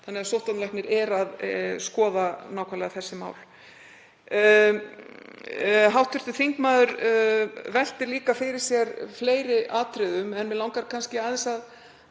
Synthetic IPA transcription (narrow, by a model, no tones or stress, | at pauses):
θanːɛɣasowht̪anlajhknɪɾɛɾaðskɔːðanaːwkʰvaɾlɛɣaθɛsːɪma̰ːwl | ɦawht̪ʰʏ̥t̪ʏθiŋkmaːðʏɾ | vɛl̥t̪ɪɾliːkafɪɾɪɾ̥sjɛɾfleːjɾɪʔaːt̪ɾɪðʏmɛnvɪlawŋkaɾkʰanscɪaːðɛnsað